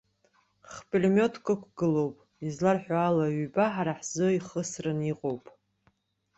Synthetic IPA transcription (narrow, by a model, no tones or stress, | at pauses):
χpʼelmo̞tʰkʷʼakʷʰɡɨlo̞wpʼ | izlarħaalaɥybaħaɾaħz̥o̞iχəsrɨniqʼowpʼ